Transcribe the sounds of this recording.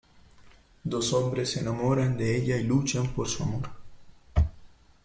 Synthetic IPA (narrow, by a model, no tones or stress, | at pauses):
d̪osombɾesenamoɾand̪eeʎailut͡ʃampoɾsuamoɾ